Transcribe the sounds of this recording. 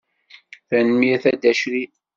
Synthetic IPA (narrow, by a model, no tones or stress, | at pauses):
θænmiθæd̪æʃɾi